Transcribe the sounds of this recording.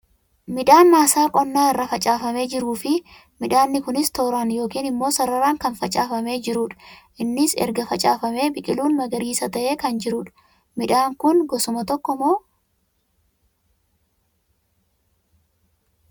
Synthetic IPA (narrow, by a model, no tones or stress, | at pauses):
mɪᶑaːnmaːsaːkʼɔnːaːɪrːɐfɐt͡ʃʼaːfɐme̞ːd͡ʒɪɾuːfɪ | mɪᶑaːnːɪkʊnɪst̪o̞ːɾaːnjo̞ːkiːnɪmːo̞ːsɐɾɐɾaːŋkɐnfɐt͡ʃʼaːfɐme̞ːd͡ʒɪɾuːᶑɐ̥ʔɪnːɪsɛ̰ɾɡɐfɐt͡ʃʼa̰ːfɐme̞ːbɪkʼɪluːnmɐɡɐɾiːsɐt̪ɐʔe̞ːkɐnd͡ʒɪɾuːᶑɐ̥ | mɪᶑaːŋkʊnɡɔsʊmɐt̪ɔkːɔmoː